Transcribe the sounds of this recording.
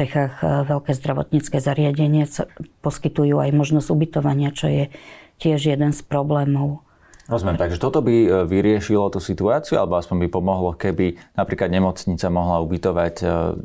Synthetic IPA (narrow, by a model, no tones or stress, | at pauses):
ɛxaːɣʋɛʎkɛːzd̪ɾaʋɔ̰t̪ɲit͡skɛːzaɾɪaɟɛɲɪasa̰pɔskit̪ujuːajmɔʒnɔzubit̪ɔʋaɲɪat͡ʃɔjɛcɪɛʒjɛd̪ɛnspɾɔblɛːmɔʊ | ɾɔzmjɛmt̪aɡʒɛt̪ɔt̪ɔbiʋiɾɪɛʃilɔt̪usit̪uaːt͡sɪualɛbɔaspɔɲbipɔmɔɦlɔkɛbinapɾiːklad̪ɲɛmɔt͡sɲit͡samɔɦlaubit̪ɔʋac